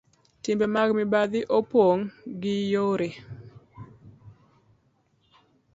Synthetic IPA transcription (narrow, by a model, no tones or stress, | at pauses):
tɪmbɛmaɡmɪbad̪ɪʔopwoŋɡɪjoɾe